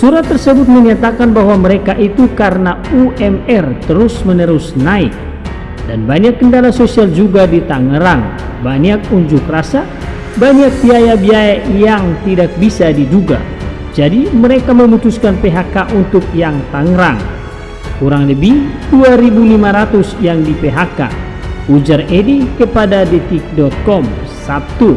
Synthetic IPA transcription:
suɾat̪ːərsəbʊt̪̚məɲat̪akanbaɦwaməɾekaʔit̪ukaɾənauʔɛmɛrt̪əɾʊsmənəɾusnaɪk̚ | danbaɲakːəndalasosiald͡ʒuɡadit̪aŋəɾaŋ | baɲakuɲd͡ʒʊkrasa | baɲak̚biajabiajajaŋt̪idak̚bisadid͡ʒuɡa̰ | d͡ʒadiməɾekaməmut̪uskanpeɦakaʔunt̪uk̚jaŋt̪aŋɾaŋ | kuɾaŋləbihduaɾibulimaɾat̪usjaŋdipeɦaka̰ | ud͡ʒarɛdikəpadadɛt̪ik̚dɔt̪̚kɔm | sap̚t̪u

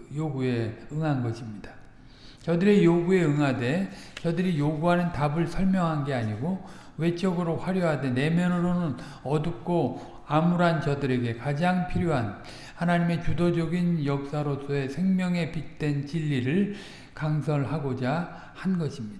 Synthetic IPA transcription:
joɡue̞ɯŋɦanɡʌɕʰimɲid̥ḁ | t͡ɕʌdɯɾe̞joɡue̞ɯŋɦade̞t͡ɕʌdɯɾijoɡuɦanɯntabɯɭsʰʌɭmjʌŋɦanɡe̞aɲiɡo | we̞t͡ɕ͈ʌɡɯɾoɸwaɾjoɦade̞ne̞mjʌnɯɾonɯn | ʌduk͈o | amuɾant͡ɕʌdɯɾe̞ɡe̞kad͡ʑaŋpʰiɾjoɦan | hanaɲime̞t͡ɕudod͡ʑʌɡinjʌk̚s͈aɾos͈ʰoe̞sʰe̞ŋmjʌŋe̞pit̚t͈we̞nt͡ɕiʎːiɾɯɭ | kaŋsʰʌɭɦaɡod͡ʑa | hanɡʌɕʰimɲida

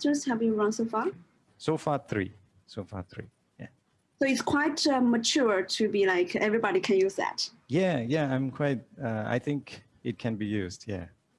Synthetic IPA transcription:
tə˞shævjuɹʌ̃nsoʊfaɹ | sofaθɹḭ | sofa̰θɹḭ | jæ̰ | soʊɪtskʰw̥aɪtʌmət͡ʃʰuɹtʰubilaɪkʰɛvɹibɔɾikʰɛ̃njʉzðæ̰tjæjæãɪ̃mkʰw̥aɪt̚ʌa̰ɪθɪ̃ŋk | ɪt̚kʰɛ̃nbijusdjæ̰

